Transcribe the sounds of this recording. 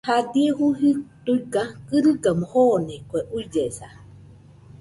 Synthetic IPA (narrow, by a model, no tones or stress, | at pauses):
had̪ieɦuɦit̪uikakɨɾɨɡamohonekʷeʔud͡ʒesa